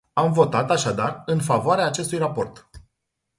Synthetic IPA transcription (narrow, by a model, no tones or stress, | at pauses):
amvo̞t̪at̪aʃad̪arɨnfavoaɾeaːt͡ʃe̞st̪ujrapo̞rt̪